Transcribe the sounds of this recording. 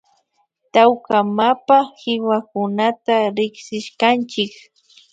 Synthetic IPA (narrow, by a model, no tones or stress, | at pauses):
t̪awkamapahɪwakʊnat̪aɾɪχsɪʃkant͡ʃɪk